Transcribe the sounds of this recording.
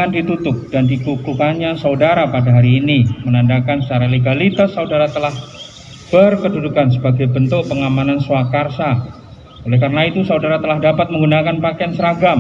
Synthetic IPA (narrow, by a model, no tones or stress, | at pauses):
andit̪ut̪ʊp̚d̥andikukukanɲasaudaɾapadaɦaɾiːnimənandakansə̥t͡ʃaɾaleɡalit̪asːaudaɾat̪əlah | b̥ərkədudukansəbaɡajbənt̪ʊk̚pəŋamanansoakarsa | olɛhkaɾənait̪usaudaɾat̪əlahdapat̪̚məŋɡunakanpakaansəɾaɡam